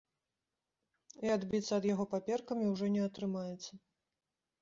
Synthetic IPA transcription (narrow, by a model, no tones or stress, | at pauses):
iad̪bʲit̪sːɐːd̪jaɣɔpapʲɛrkɐmʲiwʐɔnʲɛɐt̪ɾɨmajɛt̪sːɐ